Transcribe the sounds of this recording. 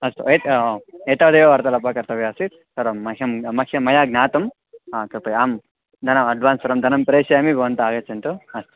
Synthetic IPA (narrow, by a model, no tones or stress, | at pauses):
ɐst̪ṵet̪ːeːt̪aːd̪ɐjoʋɐɾt̪ɐlɐpakɐɾt̪ɐʋeɐsit̪̚ | sɐɾɐmːɐkʰjɐmmɐkʰjɐmɐjaːɡnaːt̪ɐm | aːt̪ɐpɐjaːm | d̪ʱɐnɐmɐɖʋaːnsɐɾɐmd̪ʱɐnɐmpɐɾeːsɐjaːmibɐʋɐnt̪ɐaːɡɐt͡ʃɐnt̪uɐst̪u̥